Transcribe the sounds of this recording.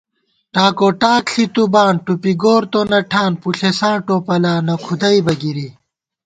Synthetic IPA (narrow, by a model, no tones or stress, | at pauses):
ʈaːkoːʈaːkɬit̪ubaːnʈupiɡoːɾt̪onɐʈʰaːnpuɬesãːʈoːpɐlaːnɐkʰud̪ɐibɐɡiɾi